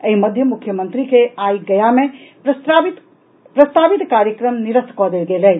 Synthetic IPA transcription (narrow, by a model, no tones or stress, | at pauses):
əɦiməd̪ʱjəmukʰːjəmənt̪ɾikeajɡəjame | pɾəst̪ʰabit̪kaɾjəkɾəmniɾəskɔd̪elɡelɛ